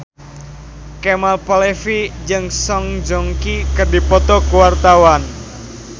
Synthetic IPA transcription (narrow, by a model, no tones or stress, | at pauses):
kɛmalpɔlefid͡ʒɨŋsɔŋd͡ʒɔŋkikɨrdipɔt̪ɔkuwart̪awan